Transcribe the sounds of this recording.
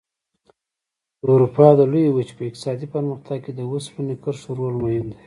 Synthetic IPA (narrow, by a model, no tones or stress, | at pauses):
uɾupɑd̪əlujewət͡ʃpəɪq̚t̪ɪ̥sɑd̪ipəɾməxt̪aɡ̚ked̪əwuspənikəɾʃuɾolmajɪnd̪e